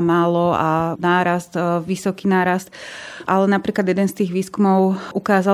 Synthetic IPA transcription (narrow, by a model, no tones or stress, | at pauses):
maːlɔanaːɾast̪ʋisɔkiːnaːɾast̪ʔalɛnapɾiːklad̪jɛd̪ɛnst̪iːɣʋiːskumɔʊukaːza